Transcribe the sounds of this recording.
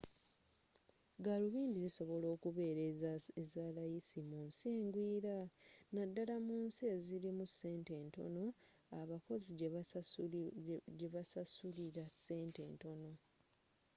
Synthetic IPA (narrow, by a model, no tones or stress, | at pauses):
ɡaluβiːndiziso̞βo̞lo̞ːkuβe̞ːɾeezalajisimuːnsieːŋɡwiːɾanadːalamuːnsieziɾimusːe̞ːnte̞ːnto̞̰no̞ | aβako̞zi | ɟe̞βasasuliɾasːe̞ːnte̞̰ːnto̞no̞